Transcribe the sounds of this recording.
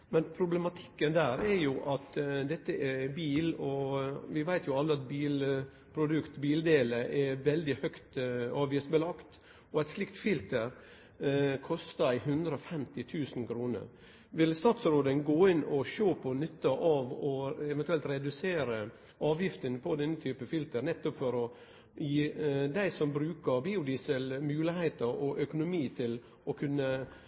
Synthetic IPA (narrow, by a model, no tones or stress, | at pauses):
mɛnpʰɾʊblɛmɑt̪ʰɪ̥kːənd̪æːɾɛɾjʊʔɑt̪d̪ɛt̪ːəʔɛbiːlɔʋɪʋæɪt̪ʰjʊɑlːəɑt̪biːl | pʰɾʊd̪ʉkt̪biːld̪eːləʔɛʋɛld̪ɪhœkt̪ɑːʋjisbəlɑkt̪ | ɔɛɪt̪slɪkt̪fɪlt̪əɾ | kʰɔst̪ɑɪɦʉnd̪ɾəɔfɛmt̪ɪt̪ʰʉːsn̩kʰɾuːnə̰ɾ | ʋɪlst̪ɑːt̪sɾoːd̪ənɡoːɪnɔʃoːpʰɔnʏt̪ːəʔɑʋɔɛʋɛnt̪ʉɛlt̪ɾɛd̪ʉseːɾə | ʔɑːʋjɪft̪ənpʰɔd̪ɛnːət̪ʰyːpəfɪlt̪əɾnɛt̪ːɔpfɔɾɔ | jiːd̪æɪsɔmbɾʉːkəɾbiːʊd̪iːsəlmʉːlɪheɪt̪əɾɔʔœkʊnʊmiːt̪ʰɪl | ʔɔkʰʉnːə